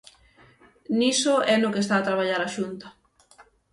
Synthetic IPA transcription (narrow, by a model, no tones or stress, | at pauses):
nisʊɛnʊkest̪aːt̪ɾaβ̞aʎaɾaʃunt̪ɐ̥